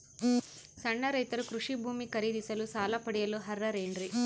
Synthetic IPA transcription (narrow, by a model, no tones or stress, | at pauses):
sɐɳːɐɾɐjt̪ɐɾukɾuʂibʱuːmikɐɾid̪isɐlusaːlɐpɐɽijɐluɦɐrːɐɾeːɳɖɾi